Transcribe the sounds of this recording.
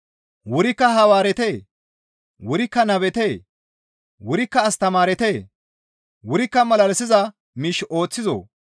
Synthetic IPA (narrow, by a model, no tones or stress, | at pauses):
wʊɾɪkːɐɦɐwaːɾɛt̪eː | wʊɾɪkːɐnɐβɛt̪eː | wʊɾɪkːɐːst̪ɐmaːɾɛt̪eː | wʊɾɪkːɐmɐlɐlɛsɪzɐ | miːʃo̞ːt͡sːɪzo̰ː